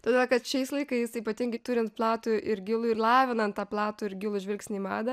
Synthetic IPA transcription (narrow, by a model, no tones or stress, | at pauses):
t̪ɐːd̪ʲeːlˠkɐt̪ʃʲɛɪslˠɐɪkɐɪsiːpɐt̪ʲɪŋɡɐɪt̪ʊɾʲɪnt̪̚plˠɑːt̪uːʔɪɾɡʲɪlˠʊːɪɾlˠɑːʋʲɪnɐnt̪t̪ːɑːplˠɑːt̪ʊːɪɾɡʲɪlˠʊʒʲʋʲɪlʲkʲsʲnʲiːmɑːd̪ɐ